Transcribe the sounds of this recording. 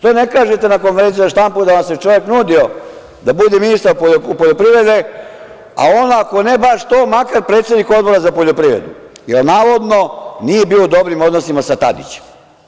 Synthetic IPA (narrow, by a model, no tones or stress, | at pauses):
t̪oːne̞kaːʒe̞t̪e̞nako̞nfee̞nt̪iozaʃt̪ampud̪aʋamse̞t͡ʃo̞ʋjeknuːd̪io̞ | d̪abud̪eminist̪aɾpooupoʎopɾiʋɾe̞d̪e̞ | a̰onaːko̞nebaʃt̪oːmakaɾpɾe̞ːt̪se̞d̪niko̞d̪̚bo̞ɾazapo̞ʎopɾiːʋɾḛd̪ṵjelnaːʋo̞d̪no̞nije̞biːoud̪o̞bɾimod̪nosimasat̪a̰d̪ḭt͡ɕe̥m